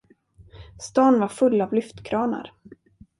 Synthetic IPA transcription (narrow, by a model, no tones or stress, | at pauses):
st̪ɑːnvaɾfɵlːavlʏft̪kʰɾɑːna̰ɾ